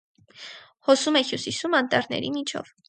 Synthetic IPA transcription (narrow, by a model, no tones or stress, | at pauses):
hɔsumɛhjusisumɑnt̪ɑɾnɛ̰ɾimit͡ʃʰɔ̰v